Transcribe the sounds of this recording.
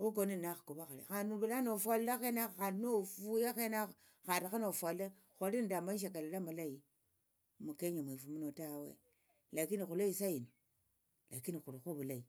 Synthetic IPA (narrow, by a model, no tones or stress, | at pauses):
ok̬oninaxḁkobaxaɾḭxanubulanofalːaxenaanofujaxena | xatakanofale | xoindamaʃ̬ekalalamalaji | mukeɲamʷefumunotawḛ | lakinikuloisajinu | lakinikuɾoxobulai